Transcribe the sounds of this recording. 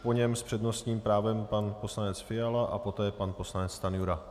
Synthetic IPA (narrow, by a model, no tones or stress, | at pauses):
po̞ɲɛmspr̝̥ɛd̪no̞st̪ɲiːmpɾaːvɛmpanpo̞slanɛt͡sfɪjalaʔa̰po̞t̪ɛːpanpo̞slanɛt͡st̪anjuɾa